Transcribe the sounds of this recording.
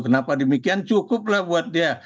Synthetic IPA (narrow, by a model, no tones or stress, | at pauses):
kənapadəmikiant͡ʃukʊp̚lahbuat̪̚dia